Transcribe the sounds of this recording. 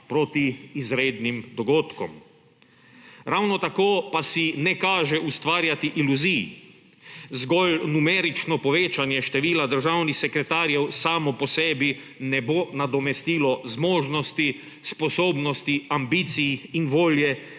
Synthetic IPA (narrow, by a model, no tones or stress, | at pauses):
pɾot̪iːzɾeːd̪nimd̪ɔɡoːt̪kɔ̰m | ɾawnɔt̪akoːpasinɛkaːʒɛʔust̪ʋaːɾjat̪iʔiluziji | zɡɔlnumɛɾit͡ʃnɔpɔʋeːt͡ʃanjɛʃt̪ɛʋiːlad̪əɾʒawnixsɛkɾɛt̪aːɾjɛwsaːmɔpɔsɛːbi | nɛbonad̪ɔmɛst̪iːlɔzmɔːʒnɔst̪i | spɔsoːbnɔst̪iambiːt̪sijiinʋoːljɛ